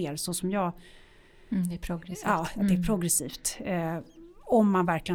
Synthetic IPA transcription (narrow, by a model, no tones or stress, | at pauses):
eːɾsɔsɔmjɑː | pʰɾʊɡɾɛsɑːdd̪ɛɛɾpʰɾʊɡɾɛsiːft̪ | ɔmːanvæɾklɪɡə